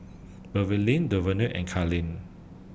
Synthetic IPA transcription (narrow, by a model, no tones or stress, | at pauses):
bəvilĩndəvənuʔɛ̰̃nkʰalĩn